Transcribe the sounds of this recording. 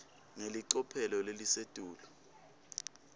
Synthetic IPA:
ŋeliǀɔpʰɛlɔlelised̥ʱuːlɔ

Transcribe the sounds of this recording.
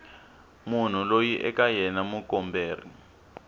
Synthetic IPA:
mun̤ulojiʔɛ̰kajɛnamukɔmbeːr̤ḭ

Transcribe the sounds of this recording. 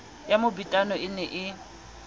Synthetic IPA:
jamʊbitʼanɔɪnɛʔɪ

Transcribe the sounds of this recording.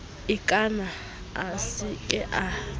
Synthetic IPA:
ikʼana | asikʼɛʔa

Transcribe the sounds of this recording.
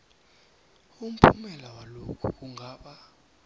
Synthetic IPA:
um̩pʰumɛlawalokʰṵk̬uŋɡʱaːɓa

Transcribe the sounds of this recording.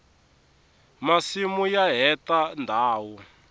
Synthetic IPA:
masimujaɦɛtandʱaːwu

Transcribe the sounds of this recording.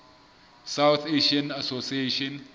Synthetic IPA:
sawt̪ʰeʃiãnasosieʃɔ̃n

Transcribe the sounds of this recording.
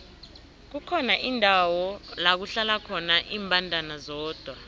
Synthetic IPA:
k̬ukʰɔnaʔindʱawɔlak̬uɬalakʰɔnaʔiːmbʱʼandʱanazɔːd̥ʱwa

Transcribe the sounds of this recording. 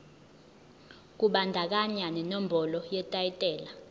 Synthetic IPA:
k̬uɓandʱak̬aɲanɛnɔmbʱɔlɔjɛtʼajitʼɛːla

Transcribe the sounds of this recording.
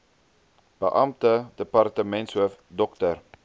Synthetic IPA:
b̥əʔɐmtədəpɐrtəmɛntswuəfdɔktər

